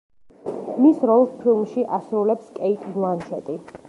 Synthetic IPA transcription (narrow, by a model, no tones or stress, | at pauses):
misɾɔlˠspʰilˠmʃiʔasɾulɛpskʼɛit̪ʼblˠanʃʰɛt̪ʼi